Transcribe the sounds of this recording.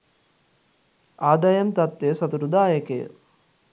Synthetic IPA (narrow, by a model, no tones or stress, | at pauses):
aːd̪ajɐnt̪at̪ːesɐt̪uɾud̪aːjəkḛjə̰